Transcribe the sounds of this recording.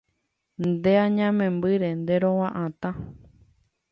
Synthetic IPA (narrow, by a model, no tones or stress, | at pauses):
nd̪eãɲãmẽmbɨɾe̞nd̪e̞ɾõwãʔãt̪ã